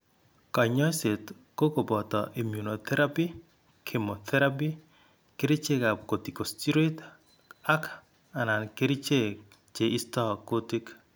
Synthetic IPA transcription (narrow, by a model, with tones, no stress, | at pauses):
kɔ˨ɲɔ˦se˨t | ko˦ko˨bɔ˨tɔ̰˨ʔi˨mju˨no˨t̪ɛ˦ɾa˦pi˦ | kʰe˨mo˨t̪ʰɛ˦ɾa˦pi˦ | ke˦ɾi˦t͡ʃe˦ka˨ko˨ti˨ko˨sti˦ɾe˦t | a˦k | a˨na˨nke˦ɾi˦t͡ʃe˦ | t͡ʃe˨ʔi˦stɔ˦ko˦ti˦k